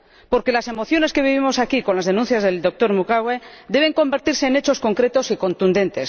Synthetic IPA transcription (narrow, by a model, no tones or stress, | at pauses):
po̞ɾke̞lase̞mo̞θjo̞ne̞ske̞β̞iβimo̞sakiko̞nlazðe̞nũnθjazðe̞ld̪o̞k̚t̪o̞ɾmukawed̪e̞β̞e̞ŋko̞mbe̞ɾt̪iɾse̞ːne̞t͡ʃo̞sko̞ŋkɾe̞t̪o̞siko̞nt̪und̪e̞nt̪e̞s